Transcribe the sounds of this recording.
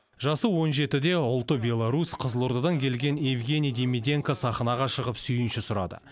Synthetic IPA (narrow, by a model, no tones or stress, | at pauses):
ʒɑsəwo̞nʒe̞t̪ɪd̪e̞ʊlˠt̪əbʲe̞lˠaɾusqʰəzəlˠuɾd̪ɑd̪ɑŋkʲʰe̞lɡʲe̞nevɡʲe̞nʲijd̪emʲid̪ʲe̞ŋkasɑχnɑʁɑʃəʁəpsʏjɪnʃɪsʊɾɑ̰d̪ə̰